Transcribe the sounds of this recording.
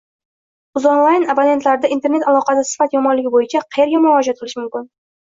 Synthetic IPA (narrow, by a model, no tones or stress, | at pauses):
ʊzonlˠajnabane̞nt̪laɾɪd̪aʔint̪ʰe̞ɾne̞t̪alˠɒqɑsɪsɪ̥fat̪jɒmɒnlɪɡʲɪbojɪt͡ʃʰaqʰɑje̞ɾɡʲamʊɾɒd͡ʒat̪̚qʰɨlˠɪʃɪmʊmkʲɪn